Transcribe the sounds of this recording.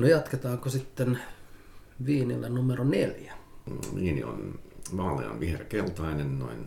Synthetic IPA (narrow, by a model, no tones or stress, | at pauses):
nojɑt̪ket̪ɑːŋkosit̪ːen | ʋiːnḭlːḛnnumeroneljæʋiːnḭo̰nʋɑːlːḛɑ̰nʋihrekelt̪ɑinenno̰in